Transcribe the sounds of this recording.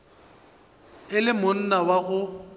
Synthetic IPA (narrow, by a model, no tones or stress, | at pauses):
ɪlɪmʊn̩nawaɣʊ